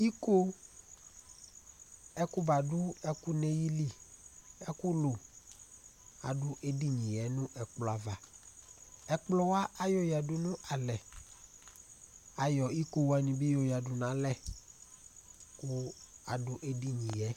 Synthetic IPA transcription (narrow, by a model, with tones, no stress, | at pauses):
i˦ko˦ | ɛ˦ku˦ba˨dʊ˦ɛ˦ku˦ne˦ji˦li˨ | ɛ˦ku˦lo˨ | a˨ɖʊ˦ʔe˦di˦ɲĩ˨jɛ˨˦nʊ̃˦ʔɛ˨k͡plɔ˨a˨va˨ | ɛ˨k͡plɔ˦wa˦ʔa˦jɔ˦ja˨du˨nʊ̃˦ʔa˨lɛ˨ | a˨jɔ˨i˦ko˦wa˨ɲĩ˨bi˦jo˨ja˨dʊ˨nã˨˦lɛ˦˨ | kʊ˦a̰˨dʊ˨ʔe˦di˦ɲĩ˨jɛ˨˦